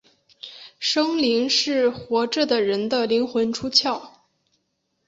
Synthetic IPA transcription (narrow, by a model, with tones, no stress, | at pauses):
ʂɤ˥ŋli˧˥ŋʂɻ̩˥˩xwɔ˧˥ʈ͡ʂɤ˥˩d̪ə˩ɻə˧˥nd̪ə˧li˧˥ŋxwə˧˥nʈ͡ʂʰu˥t͡ɕʰjɑ˥˩ʊ